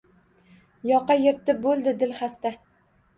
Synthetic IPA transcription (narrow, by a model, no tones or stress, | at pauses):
jɒqɑjeɾt̪ːɪbolˠd̪ɪd̪ɪlχast̪a